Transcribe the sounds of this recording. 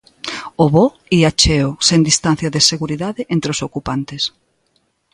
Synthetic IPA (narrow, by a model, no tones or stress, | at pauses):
oβo | iat͡ʃeosend̪ist̪an̟θjaðeseɣuɾiðaðeʔent̪ɾeosokupant̪es